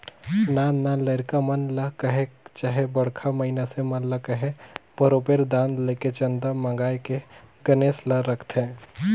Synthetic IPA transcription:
nanalɐɾkamɐnlakɐɦet͡ʃaːɦebɐɽkʰamɐɦɪnasemɐnlakɐɦebʱɐɾoːpeɾd̪ãːnd̪leket͡ʃɐ̃nd̪amɐ̃ŋɡaːjkeɡɐneːslaɾɐkʰt̪ɦɛ̃ː

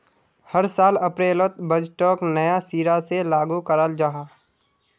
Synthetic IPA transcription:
həɾsaːləpɾeːlət̪̚bəd͡ʒʈɔːknəjasiːɾaselaːɡukəɾəld͡ʒaːɦaː

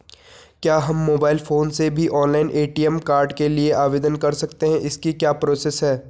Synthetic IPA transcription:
kjaːɦɐmːoːbaːɪlfoːnsebʱiʔɔːnlaɪnʔeːʈiːɛmkaːɾɖkelieʔaːʋeːd̪ənkɐɾsɐkt̪eɦɛ̃ʔɪskikjaːpɾoːsesɦɛː

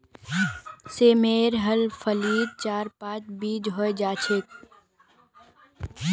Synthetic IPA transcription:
seːmeːɾɦəlfʰəliːd̪̚t͡ʃaːɾpãːt͡ʃbiːd͡ʒɦoːed͡ʒaːt͡ʃʰet̪̚

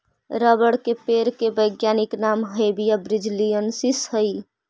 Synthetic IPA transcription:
ɾəbəɽkepeɾkebəɪɡjaniknamɦebijabɾid͡ʒlijənsishəj

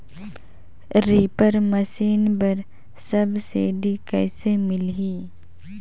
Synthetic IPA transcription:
ɾiːpəɾməsiːnbəɾ | səbseːɖikɛ̰ːsemɪlɦiː

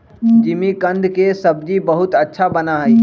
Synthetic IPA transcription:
d͡ʒimikə̃nd̪ʱkesəbd͡ʒibəɦut̪ətːʃʰabənaɦəi

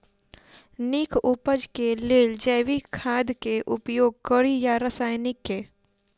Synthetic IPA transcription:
nɪkʰʊpəd͡ʒkeleːld͡ʒɛːʋikʰaːd̪keʔʊpjoːɡ̚kəɾijaɾəsaːjnɪkːeː

